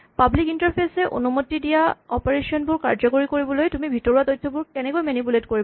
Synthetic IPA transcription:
pablikintaɹpʰesɛʔo̰numotːidijaɔpɔɹeʃɔnbʊɹkaɹd͡ʑɔkoɹikoɹibɔlojtumibʱitɔɹuatɔjtʰːɔbuɹkɛnɛkojmɛnipuletkoɹib

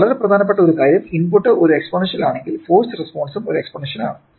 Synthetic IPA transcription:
ɐɭɐɾeprɐd̪ʱaːnɐp̬ːeʈːɐoɾukaːjɾjɐminpuʈːɨʔoɾuekspɐɳiʂɐnilaːɳe̞ŋɡilfoːstrespo̞ːɳsumoɾue̞kspɐɳiʂɐna̰ːɳɨ

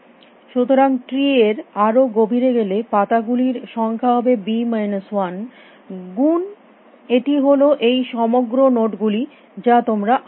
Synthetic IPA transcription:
ʃut̪oɾaŋʈɾieɾaɾoɡobʱiɾeɡelepat̪aɡuliɾʃɔŋkʰaɦɔbebimajneswan | ɡun | eʈiɦoloʔejʃɔmoɡɾonoʈɡuli | d͡ʑat̪omɾaʔ

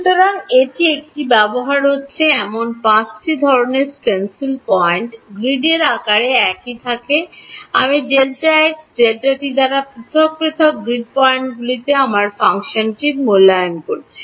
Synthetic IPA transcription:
ʃut̪oɾaŋeʈiek̚ʈibɛboɦaɾɦotːɕʰeɛmonpãt͡ɕʈid̪ʱɔɾoneɾsʈensilpɔeɳʈɡɾiɖeɾakaɾeɛkit̪ʰakea̰mid͡ʑelʈaekd͡ʑelʈaʈid̪aɾapɾit̪ʰok̚pɾit̪ʰokɡɾiɖpɔeɳʈɡulit̪eamaɾfaŋʃonʈiɾmolːajonkoɾt͡ɕʰe̥

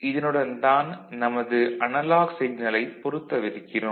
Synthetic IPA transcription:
ʔɪðɐnɯɽɐnt̪aːnnɐmɐðɯʔʔɐnɐlaːɣsɛjnɐlɐɪpːɔɾɯt̪ːɐʋɪɾɯkːɪrɯm

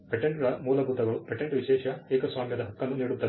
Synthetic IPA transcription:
peʈːɐɳɖuɭɐmuːlɐɡud̪ɐɣɐɭupeʈːɐɳɖɨʋiɕeːʂaeːkːɐsʋaːmjɐd̪ɐɦɐkːɐnːumneːɽut̪ːɐ

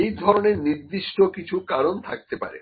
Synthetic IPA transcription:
ejd̪ʱɔɾoneɾniɾd̪iʃʈokit͡ɕʰukaɾont̪ʰak̚t̪epa̰ɾḛ

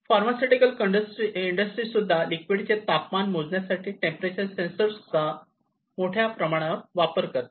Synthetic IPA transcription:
faɾmasiʈikəlkəɖəsʈɾiiɳɖəsʈɾiːsud̪ʱːalikʋiɽt͡set̪apmanmod͡znjasaʈʰiːʈẽmpɾet͡ɕəɾsensəɾsu̥t͡s̪ːa | moʈʰjapɾəmaɽ̃əʋapəɾkəɾt̪

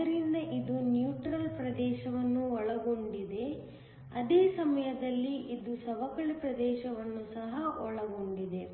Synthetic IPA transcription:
ɐɾind̪ɐʔid̪unjuːʈɾɐlpɾɐd̪ɛːʃɐʋɐnːuɔɭɐɡo̞ɳɖid̪e̞ | ɐd̪eːsɐmɐjɐd̪ɐlːiid̪usɐʋɐkɐɭipɾɐd̪ɛːʃɐʋɐnːusɐɦɐʔɔɭɐɡoɳɖid̪e

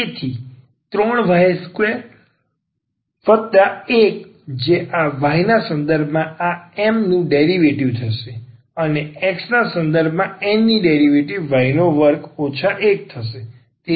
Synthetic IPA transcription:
et̪ʰi | t̪ɾɔɳʋaskʋeɾ | fət̪d̪aek | d͡ʒeʔaʋainasə̃nd̪əɾbʱmãaɛmnũɖeɾiʋeʈiʋt̪ʰəʃe | əneɛksnasə̃nd̪əɾbʱmãɛmniɖeɾiʋeʈiʋːainoʋəɾkot͡ʃʰaʔek̚t̪ʰəʃe | t̪e

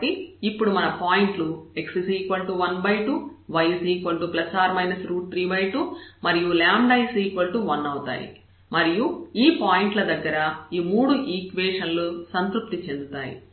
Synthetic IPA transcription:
iipːuɽumɐnɐpaːjiɳʈlue̞ksisiːkʋɐlʈuʋɐnbɐjʈuʋɐjsiːkʋɐlʈuplɐsaːɾmɐjnɐsɾuːʈ̚ːɾiːbɐjʈumɐɾijulaːmɖɐjsiːkʋɐlʈuʋɐnːɐwut̪a̰ːjḭ | mɐɾijuiːpaːjiɳʈlɐd̪ɐɡːɐɾɐiːmuːɽuʔiːkʋɛːʂɐnlusɐnt̪ɾup̚t̪it͡ʃe̞nd̪ut̪a̰ːjḭ

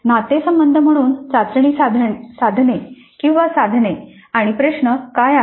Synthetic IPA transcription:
nat̪esəmbənd̪ʱəm̤əɽ̃uːnt͡sat̪ɾɳiːd̪ʱsad̪ʱne | kĩw̃ʋasad̪ʱne | aɽ̃ipɾeʂnəkaja

